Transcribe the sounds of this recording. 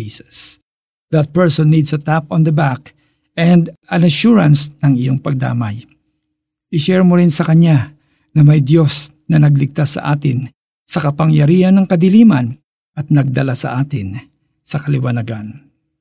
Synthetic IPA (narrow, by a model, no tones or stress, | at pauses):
isɐs | d̪ɐt̪̚pɛɹsɔnːid̪sɐt̪apɔ̃nd̪ɐbak | ɛnd̪ɐnɐʃuɹɐnsnɐŋɪjo̞ŋpɐɡ̚d̪a̰ːmɐj | ʔɪʃɛɹmoɾɪnsɐkɐɲa | nɐmɐjd̪jo̞s | nɐnɐɡ̚lɪɡ̚t̪asːɐ̰ʔaːt̪ɪn | sɐkɐpɐŋjɐɾiːhɐnːɐŋkɐd̪ɪliːmɐn | ʔɐt̪̚nɐɡ̚d̪ɐlasɐ̰ʔaːt̪ɪn | sɐkɐlɪwɐnɐɡan